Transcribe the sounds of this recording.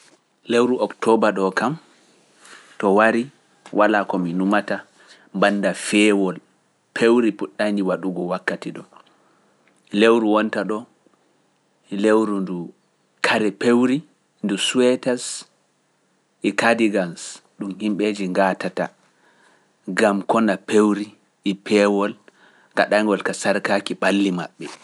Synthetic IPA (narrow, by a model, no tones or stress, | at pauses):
lewɾuʔɔktɔbaɗɔkam | tɔwaɾi | wʔalakɔminumata | mbanːdafɛːwɔl | pʰewɾipuɗːand͡ʒiwaɗuɡɔwakːatiɗɔ | lewɾuwɔntaɗɔ | lewɾundu | kʰaɾɛpewɾi | ndusuwɛtas | ʔɛkadiɡansɗumhimɓed͡ʒiŋɡatata̰ | ɡamkɔnapewɾi | ʔːpʰɛwɔl | ka̰ɗaŋɡɔlkasaɾkakiɓalːima̰ɓːɛ